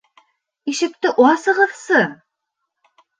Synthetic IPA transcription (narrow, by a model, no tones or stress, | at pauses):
iʃɘ̆k̚t̪ɘʔwɑsɤ̆ʁɤ̆ðsɤ